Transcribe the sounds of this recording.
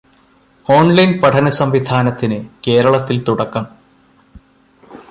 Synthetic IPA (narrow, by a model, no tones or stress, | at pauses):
o̞ːnlɐjnpɐʈʰɐnɐsɐmʋid̪ʱaːnɐt̪ːinɨke̞ːɾɐɭɐt̪ːilt̪uɽɐkːɐm